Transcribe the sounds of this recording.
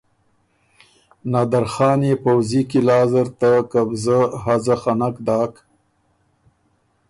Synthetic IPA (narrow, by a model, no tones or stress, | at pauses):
nɑːd̪aɾxɑːnepawzikilɑːzəɾt̪akabzəɦazaxanakd̪ɑːk